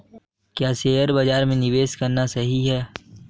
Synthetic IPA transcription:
kjaːseːjəɾbɐd͡ʒaːɾmẽnɪʋeːʃkɐɾnasɐɦiɦɛː

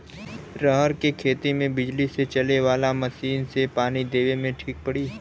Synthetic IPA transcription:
ɾəɦəɾkekʰeːt̪imẽbɪd͡ʒliset͡ʃɐleʋaːlamɐʃiːnsepaːnid̪eːʋemẽʈʰiːk̚pəɽiː

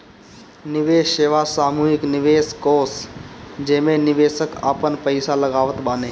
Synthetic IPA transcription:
nɪʋeːʃeːʋasaːmuːɦɪknɪʋeːskoːsd͡ʒeːmẽnɪʋeːsəka̰ːpənpəɪsalɐɡaːʋət̪baːneː

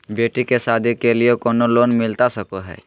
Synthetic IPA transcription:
beʈikesad̪ʱikeliekoːnolonmɪlt̪asəkoɦɛ̰ː

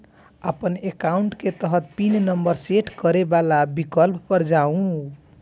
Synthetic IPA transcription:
apʌnekawuɳʈket̪ʌɦʌt̪̚pinnʌmbʌɾseʈkʌɾebalabikʌlppʌɾd͡ʒaũ

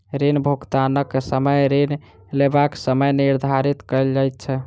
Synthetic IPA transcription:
ɾenbʱuɡt̪anəkːsəməjɾen | lebaksəməjniɾd̪ʱaɾit̪kəɪld͡ʒajt̪̚t͡ʃʰɛ

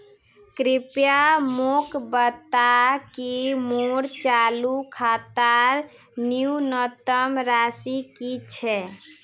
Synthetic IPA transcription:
kɾipjamokbət̪ːakimoɽt͡ʃalukʰat̪aɾ | niunət̪əmɾasikit͡ʃʰɛ

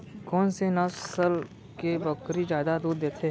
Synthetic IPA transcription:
kɔːnsenɐssəl | kebɐkɾid͡ʒjaːd̪ad̪uːd̪ːeːt̪ʰe

